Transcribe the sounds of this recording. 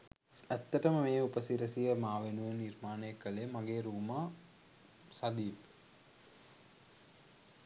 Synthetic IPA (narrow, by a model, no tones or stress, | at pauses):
æt̪ːəʈəməmeːupəsiɾəsijəmaːʋenuʋenirmaːnəjəkːəlemaɡeːɾuːmaː | sad̪iːp